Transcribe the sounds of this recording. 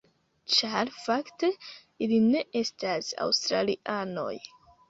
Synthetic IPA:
t͡ʃaɾfakte̞ | iline̞ʔe̞stasa̰wstɾaliʔano̞̰j

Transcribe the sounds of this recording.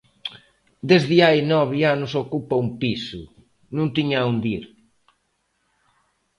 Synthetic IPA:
d̪ezðɪajnɔβɪanʊsokupɐumpisʊ̰ | nũnt̪iɲaund̪iɾ

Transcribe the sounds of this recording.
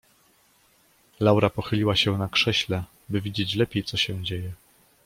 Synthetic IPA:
lawɾapɔxɘlʲiwaɕɛnakʂɛɕlɛ | bɘvʲid͡ʑet͡ɕlɛpʲjejt̪sɔɕɛ̃d͡ʑejɛ

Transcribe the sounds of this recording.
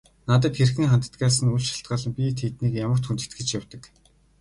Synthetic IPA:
nat̪̬ə̆t̪xerxɘ̆ŋχant̪ə̥̆t̪ɢaːs̬ə̆nuɮʃḁɬt̪̚ɢaːɮə̆mpʲit̪ʰet̪̚niːkjamə̆r̥t̪xunt̪ɘ̆t̪ɡɘ̆t͡ɕjawt̪ə̆k

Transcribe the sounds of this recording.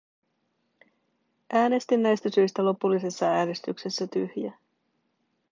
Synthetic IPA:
ʔæːne̞st̪inːæjst̪æsyjst̪ælo̞pulːise̞sːɑæːne̞st̪yksesːæt̪yhjæ

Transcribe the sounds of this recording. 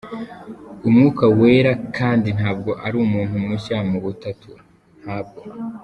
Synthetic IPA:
umŋuːkawe̞ːɾakʰaːndinhaːb̚ɡo̞ʔaɾuːmuːn̥humucamuβutatu | n̥haːb̚ɡo

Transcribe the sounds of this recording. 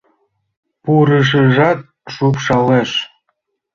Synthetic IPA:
puɾəʃ̬əʒɑt̪̚ʃupʃɑleʃ

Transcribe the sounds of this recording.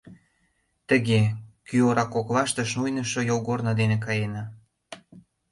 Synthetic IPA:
t̪ə̆ɣekyoɾɑkoklɑʃt̪ə̆ʃnujnə̆ʃojolɣornɑd̪enek̬ɑjenɑ

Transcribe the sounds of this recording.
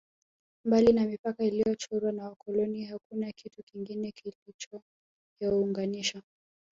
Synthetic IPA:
mbalinamipakailijɔt͡ʃɔɾwanawakɔlɔniɦakunakitukiŋɡinɛkilit͡ʃɔ | kauːŋɡaniʃa

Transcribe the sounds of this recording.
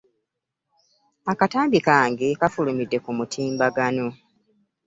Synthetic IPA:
akataːmbikaːŋɡe̞kafulumidːe̞kumutʰiːmbaɡano

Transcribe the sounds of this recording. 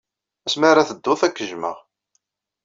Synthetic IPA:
æsmaɾˤaθəd̪ːʊθækːəʒmə̰ʁ

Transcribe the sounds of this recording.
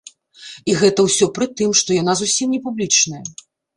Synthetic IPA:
iɣɛt̪ɐwsʲɔpɾɨt̪ɨmʂt̪ɔjanazusʲimnʲɛpublʲit͡ʂnɐjɐ

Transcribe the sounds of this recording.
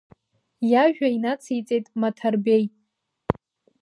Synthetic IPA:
jaʒᶣainat͡sʰijt͡sʼejtʼmatʰarbej

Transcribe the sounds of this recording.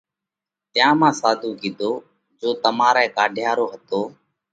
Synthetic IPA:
t̪jãːmãːsaːd̪ʱuːkid̪ʱoː | d͡ʒoːt̪əmaːɾɛ̃ːkaːɖʱɪjaːɾoːɦət̪oː

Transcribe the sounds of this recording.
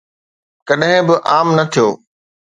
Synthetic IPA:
kɐɗɦɪ̃bɪʔaːmnɐt̪ʰijoː

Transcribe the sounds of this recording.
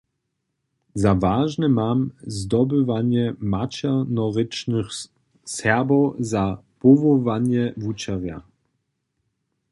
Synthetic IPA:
zavaːʒnɛmamzd̪ɔbɘvaɲjɛmat͡ɕɛnɔʁɪt͡ʃnɪx | sɛbɔwzapɔvɔvaɲjɛvut͡ɕaʁja̰

